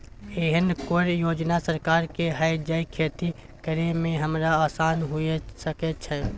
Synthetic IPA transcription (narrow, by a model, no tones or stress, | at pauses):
eːɦənkoɾjoːd͡ʒnasəɾkaːɾkeɦaːid͡ʒəikʰeːt̪i | kəɾemẽɦəmɾaaːsaːnɦʊesəket͡ʃʰɛ